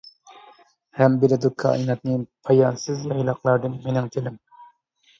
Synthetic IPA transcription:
hæmbelɪd̪ukʰːɑ̰ɑ̰jnɑt̪̚nɨpʰɑjɑnsɪzjɑjlˠɑqlˠɑɾd̪ɨnmenɪŋt̪ʰelɪm

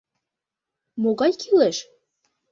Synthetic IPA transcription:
moɣɑjkʰileʃ

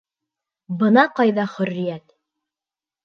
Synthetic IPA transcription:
bɤ̆nɑqɑjðɑχɵ̆rːɪjæt̪

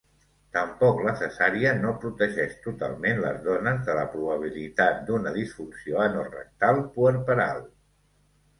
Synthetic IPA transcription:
t̪əmpɔkləsəsaɾiənopɾut̪əʒɛʃt̪ut̪a̰lˠmenlə̰zðɔnəzðələpɾuβəβ̞ilit̪at̪̚d̪unəðisfunsioənorə̰k̚t̪alˠpuəɾpəɾa̰lˠ

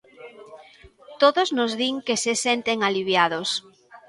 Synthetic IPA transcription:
t̪oðoznozðiŋkesesent̪eŋaliβ̞jaðos

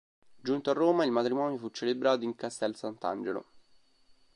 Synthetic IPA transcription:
d͡ʒunt̪oarːoːmailmat̪ɾimɔːnjofut͡ʃːelebɾaːt̪oiŋkast̪ɛlsant̪a̰nd͡ʒelo̰

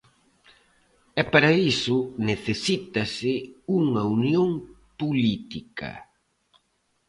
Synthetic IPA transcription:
ɛpaɾɐisʊneθesit̪ɐsɪuŋɐunjoŋ | pulit̪ikɐ̰

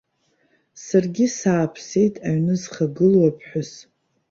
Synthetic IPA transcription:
sarɡʲisaːpʰse̞jtʼaɥnɨzχaɡɨlwapʰħʷᶣʊs

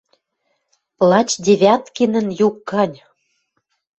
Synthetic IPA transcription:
lˠɑt͡ɕd̪ʲeβʲɑt̪kenə̆njukːɑnʲ

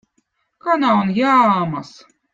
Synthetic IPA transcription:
kanaunjaːmas

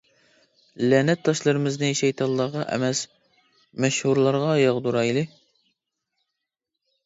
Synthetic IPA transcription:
lɛnɛt̪ʰːɑʃlˠɨɾɨmɨznɨʃɛjt̪ʰɑnlːˠɑʁɑʔɛ̰mɛs | mɛʃhuɾlˠɑɾʁɑjɑʁd̪uɾɑjlˠɨ

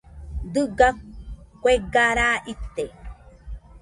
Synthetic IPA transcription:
d̪ɨɡakʷeɡaɾaʔit̪ːe

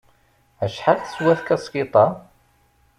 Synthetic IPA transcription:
æʃħalθə̥swæθkæskit̪ˤɑ

